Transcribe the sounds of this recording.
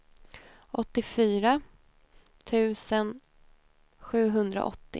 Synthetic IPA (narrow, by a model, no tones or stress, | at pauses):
ɔt̪ːɪfyːɾa | t̪ʰʉ̟ːsən | ɧʉ̟ːɦɵnd̪ɾa̰ʔɔ̰t̪ːɪ